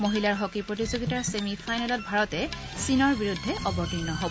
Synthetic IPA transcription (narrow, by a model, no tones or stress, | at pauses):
moɦilaɹɦokipɹotizoɡitaɹsemifʰajnɛlɔt̚bʱaɹɔtɛ | sinɔɹbiɹudʱːɛʔɔbɔtinːɔɦobɔ